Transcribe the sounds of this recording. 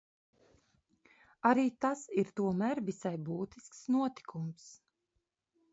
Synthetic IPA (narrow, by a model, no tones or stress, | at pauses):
aɾiːt̪asiɾt̪uɔmæɾvisajbuːt̪isksnuɔt̪i̥kʰums